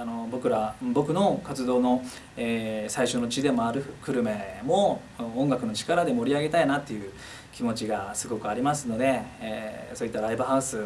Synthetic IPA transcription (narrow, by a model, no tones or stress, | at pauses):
ano̞bo̞kɯ̟ɾabo̞kɯ̟no̞kat͡sɨd̪o̞ːno̞ | esaiɕo̞no̞t͡ɕid̪e̞mo̞aɾɯ̟kɯ̟ɾɯ̟me̞mo̞ | õŋɡakɯ̟no̞t͡ɕi̥kaɾad̪e̞mo̞ɾʲiaɡe̞t̪ainat̪ːe̞jɯ̟ː | kʲimo̞t͡ɕiɡasɨɡo̞kɯ̟aɾʲimasɨno̞d̪e̞ː | so̞ːit̪ːaɾaibɯ̟ɦaɯsɨ